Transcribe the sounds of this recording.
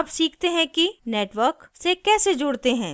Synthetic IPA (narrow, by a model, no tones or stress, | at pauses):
ɐbsiːkʰt̪eɦɛ̃kineːʈʋəɾksekɛːsed͡ʒʊːɽt̪eɦɛ̃ː